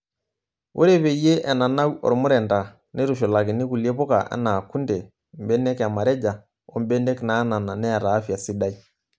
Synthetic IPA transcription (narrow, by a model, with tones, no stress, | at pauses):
wʔo˦ɾe˦βe˨je˦ʔɛ˨na˨na˦kɔ̰˨ɾmʊ˦ɾɛ˨nda˨ | ne˦ɾu˨ʃo˨la˨ki˨ni˦ku˨lje˦pɔ˦ka̰˨ʔɛ̰˦na˨kːu˦ndɛ˨ | m˨bɛ˦nɛ˦ka˨ma˨ɾɛ˦d͡ʒa˨ | o˦mbɛ˦nɛ˦kna˦na˨na˨nɛ˦a˨ɾaː˨˦fja˨si˦da˦i˦